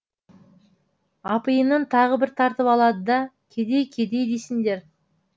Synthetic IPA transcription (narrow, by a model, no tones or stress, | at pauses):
ɑpɨjənənt̪ʰɑʁəbɪɾt̪ʰɑɾt̪əpɑlˠɑd̪əd̪ɑkʲʰed̪e̞jkʲʰe̞d̪e̞jd̪e̞sɪŋd̪e̞ɾ